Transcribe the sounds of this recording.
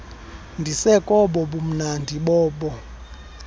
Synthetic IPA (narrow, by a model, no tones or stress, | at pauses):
ndʱisɛkʼɔɓɔɓum̩nandʱiɓɔːɓɔ